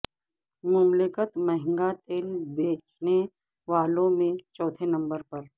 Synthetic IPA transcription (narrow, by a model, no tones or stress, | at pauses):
mʊmlɪkət̪mɐɦɪ̃ŋɡat̪eːnbeːt͡ʃne | ʋaːlõmẽt͡ʃɔːt̪ʰenɐ̃mbəɾpɐɾ